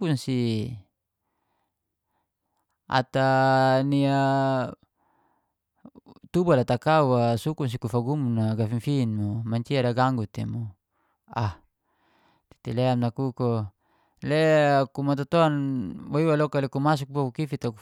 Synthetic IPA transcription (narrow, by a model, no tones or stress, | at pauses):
unsi | a̰t̪ania | t̪ubalat̪akauasukuns̬ikufaɡumunaɡafiŋfinmomaɲt͡ʃiadaɡaŋɡut̪ḛmo | ah | t̪i̥t̪eleamnakuko | lekumat̪̬ot̪oanwoiwalokalekumas̬uk̚bakukifit̪aku